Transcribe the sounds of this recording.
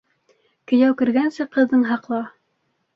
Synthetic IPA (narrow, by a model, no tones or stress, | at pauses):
kɵ̆jæwkɘ̆ɾɡænsɘqɤ̆ðːɤɴɦɑqlˠɑ